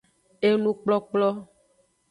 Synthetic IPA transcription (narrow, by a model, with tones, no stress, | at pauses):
e˦nũ˦k͡plɔ˦k͡plɔ˦